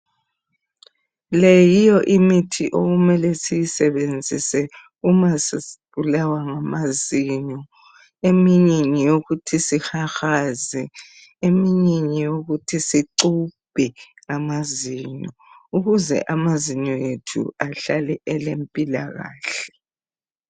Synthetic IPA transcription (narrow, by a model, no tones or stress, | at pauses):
lejijɔʔimitʰiʔoɣumɛlɛsijisɛβend͡zʱḭsɛ | umasβulawaŋamaziɲɔ | emiɲiɲijoɣutʰisixaxazɛ | emiɲiɲijoɣutʰisiǀub̥ʱɛŋamaziɲɔuɣuzɛ̰ʔamaziɲɔjetʰṵaɬalɛʔɛlempʼila̰ɣa̰ːɬɛ̥